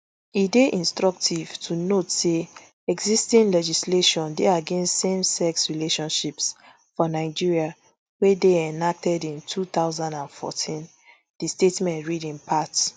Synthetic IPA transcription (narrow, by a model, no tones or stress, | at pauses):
ideʔĩnstɹɔk̚tʰiv̥tʰunotse | ɛɡzistĩnlɛd͡ʒisleʃɔ̃ndeaɡẽnstsẽmsɛksɹileʃɔ̃nʃips | fɔnaɪd͡ʒiɹia | wedeɛnak̚tɛdĩntʰut̪aʊzãndãnfɔ̰tʰĩn | d̥istetmɛ̃ntɹidĩnpʰat